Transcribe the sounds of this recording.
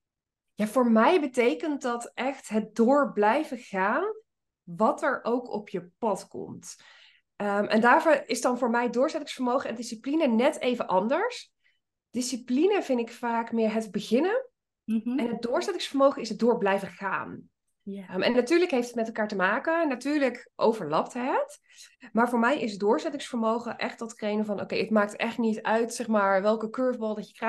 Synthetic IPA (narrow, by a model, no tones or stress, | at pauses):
jaːvʊːɹmɛjbətejkənt̚dɑtʔɛχtɦət̚dʊːɹblɛjvəχaːn | ʋɑtəɹʔowkɔ̰pʰjəpɑtkɔ̰mt | əmʔɛ̰ndaːvoʔɪsdɑnvʊːɹmɛjdʊːɹzɛtɪŋsfəɹmowχəɛndɪsiplinənɛtejvəʔɑndəɹs | d̥ɪsiplinəvɪnɪkfaːkmɪːɹɦədbəχɪnə | ɛnɦəd̚dʊːɹzɛtɪŋsfəɹmowχəɪsədʊːɹblɛjvəχa̰ːn | mɛ̰nːatyːɹləkɦejftətmɛtɛlˠkaːɹtəmaːkənatyːɹləkʔo̰wvəɹlɑp̚tɦət | maːɹvʊːɹmɛjɪsədʊːɹzɛtɪŋsfəɹmowχəʔɛχtɑtχrejnəvɑnʔo̰wkejɦətmaːk̚tɛχtnitœɥtsɛχmaːɹʋɛlˠkəkøɹvbɑlˠdɑcəkra